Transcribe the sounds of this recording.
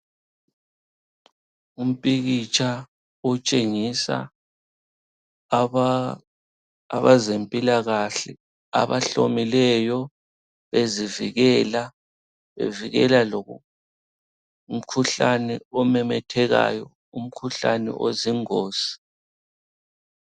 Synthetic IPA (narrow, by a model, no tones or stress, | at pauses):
um̩pʼiɣit͡ʃʼa | ɔt͡ʃʼeŋisa̰ | aβazempʼilaɣaɬɛ | a̰βaɬo̰milɛjɔ | βeziviɣɛla | βḛviɣɛ̰laloɣu | um̩kʰuɬanɛɔmɛmɛtʰɛɣa̰jɔ | um̩kʰuɬanɛ̰ʔo̰ziŋoːsi̥